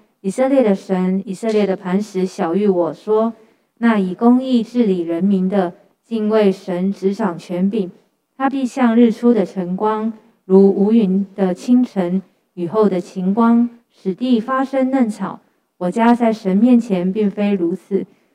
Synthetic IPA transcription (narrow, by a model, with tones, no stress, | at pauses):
i˨˩sə˥˧ljɛ˥˩d̪ə˩ʂə˧˦˥ni˨˩sɤ˥˧ljɛ˥˩d̪ə˩pʰa˧˥nʂɻ̩˧˥ɕjɑ˨˩ʊy˥˩wɔ˨˩ʂwɔ˥ | na˥˩i˨˩kʊ˥ŋi˥˧ʈ͡ʂɻ̩˥˩li˨˩ɻə˧˦˥nmi˧˥nd̪ə˨ | t͡ɕi˥˧ŋwe˥˩ɪʂə˧˦nʈ͡ʂɻ̩˧˥ʈ͡ʂʰɑ˨˩ŋt͡ɕʰɥɛ˧˥npi˨˩n | t̪ʰa˥pi˥˧ɕjɑ˥˧ŋɻ̩˥˩ʈ͡ʂʰu˥d̪ə˨ʈ͡ʂʰə˧˥ŋkwɑ˥ŋ | ɻu˧˥u˧˥y˧˥nd̪̥ə˨t͡ɕʰi˥ŋʈ͡ʂʰə˧˦˥n | y˨˩xo˥˩ʊd̪ə˩t͡ɕʰi˧˥ŋkwɑ˥ŋ | ʂɻ̩˨˩t̪i˥˩fa˥ʂə˥ŋnə˥˩nt͡sʰɑ˨˩˦ʊ | wɔ˨˩t͡ɕja˥t͡sa˥˩ɪʂə˧˦nmjɛ˥˨nt͡ɕʰjɛ˧˦npi˥˩ŋfe˥ɪɻu˧˥t͡s̩ʰ˨˩˦